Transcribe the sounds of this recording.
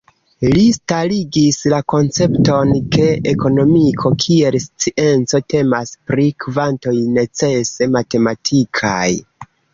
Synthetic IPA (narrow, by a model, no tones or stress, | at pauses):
listaliɡislako̞nt͡se̞pto̞nke̞eko̞no̞mikʰo̞kʰie̞lst͡siʔe̞nt͡so̞te̞maspɾikvanto̞jne̞t͡se̞se̞mate̞matʰikʰa̰j